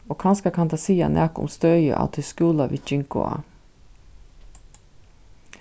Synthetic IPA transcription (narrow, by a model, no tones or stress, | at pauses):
oːkʰɑnskɑkʰɑnt̪ɑsiːɑ̰nʔæːkʊ̰mst̪œʏə̰ʔɑ̰ːt̪ʰɪskuːlɑʋḭːt͡ʃɪŋkʊ̰ɑ̰